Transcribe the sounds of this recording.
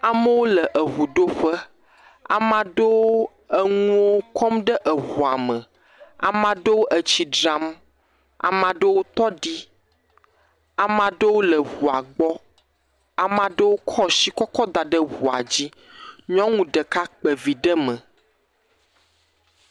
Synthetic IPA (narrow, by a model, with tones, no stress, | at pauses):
a˨mə˦wo˦lə˨ʔə˨ɦu˨ɖo˦ɸə˦ | a̰˨mã˨ɖə˦wo˦ | ə˦ŋũ˦wo˦kɔ˦mɖə˦ʔə˨ɦu˨a˨mə̃˨ | a̰˨mã˦ɖə˦wo˦ʔə˨t͡ɕi˨ɖɾa˦m | a̰˨mã˨ɖə˦wo˦t̪ɔ˦ɖi˦ | a˨mã˨ɖə˦wo˦lə˨wu˨a˨ɡ͡bɔ˦ | a˨mã˦ɖə˦wo˦kʰɔ˦ʃi˦kɔ˦kɔ˦d̪a˨ɖə˦wu˨a̰˨d͡ʑi˦ | ɲɔ̃˦ŋũ˨ɖə˨ka˦k͡pə˨vi˨ɖə˦mə̃˨